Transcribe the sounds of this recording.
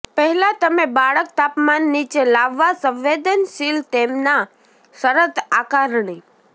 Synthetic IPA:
pəɦɛlat̪əmebaɭəkt̪apmanːit͡ʃelaʋːasə̃ʋʋed̪ənʃilt̪emna | səɾət̪akaɾɳi

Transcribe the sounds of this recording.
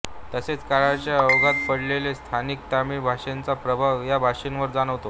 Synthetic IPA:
t̪əset͡skaɾat͡ɕjaoɡʱat̪̚pəɽlelest̪ʰanik̚t̪amibʱaʂent͡sapɾəbʱaʋjabʱaʂenʋəɾd͡zaɽ̃əʋt̪o

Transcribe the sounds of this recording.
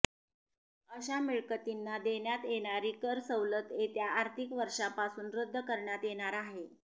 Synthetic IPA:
əɕamiɭkət̪inːad̪eɳjat̪jeɳ̃aɾiːkəɾsəwlət̪et̪jaaːɾt̪ʰikʋəɾʂapasuːnɾəd̪ʱːəkəɾɳjat̪jeɽ̃aɾaɦe

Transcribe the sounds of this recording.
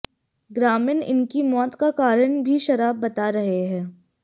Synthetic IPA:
ɡɾaːmɪnɪ̰nkimɔːt̪kakaːɾəɳbʱiʃɐɾaːbːɐt̪aɾɐɦeɦɛ̃ː

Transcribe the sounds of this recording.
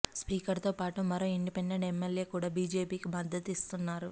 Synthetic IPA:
spiːkɐɾt̪oːpaːʈumɐɾoiɳːipɛnːɐɽɛmːelje̞ːkuːɽaːbiːd͡ʒe̞ːpiːkibɐd̪ʱɐt̪ist̪unːaːɾu

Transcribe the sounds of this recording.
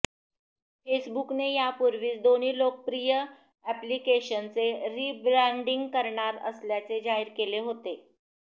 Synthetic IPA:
fesbuknejapuɾʋiːt͡sd̪on̤iːlok̚pɾijə | æplikeɕənt͡seɾibɾɛ̃ɳɖiŋɡkəɾɳaɾə̰sljat͡sed͡zaiɾkeleɦot̪e

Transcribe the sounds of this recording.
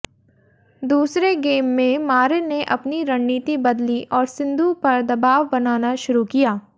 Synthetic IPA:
d̪uːsɾeɡeːmːẽmaːɾeneʔɐpniɾɐnniːt̪ibɐd̪liʔɔːɾsɪ̃nd̪ʱupɐɾd̪ɐbaːʋbɐnaːnaʃʊɾukijaː

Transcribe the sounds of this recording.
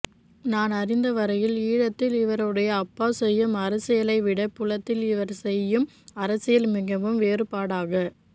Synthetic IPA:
naːnɐɾɪnd̪ɐʋɐɾɐjɪliːɻɐt̪ːɪlɪʋɐɾɯɽɐjɐːpːaːsɛjːɯmɐɾɐsɪjɐlɐɪʋɪɽɐpːʊlɐt̪ːɪlɪʋɐɾsɛjːɯm | ɐɾɐsɪjɐlmɪɣɐʋɯmʋeːɾɯpaːɽaːɣɐ

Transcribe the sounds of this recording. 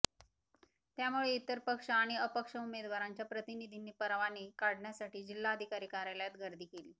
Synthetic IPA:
t̪jamuɭeit̪əɾpəkʂaːɽ̃iəpəkʂəumed̪ʋaɾaɲt͡ɕjapɾət̪inid̪ʱiniːpəɾʋaniːkaɽɳjasaʈiːd͡ʑilːaːd̪ʱikaɾiːkaɾjaljat̪ɡəɾd̪ʱiːkeliː

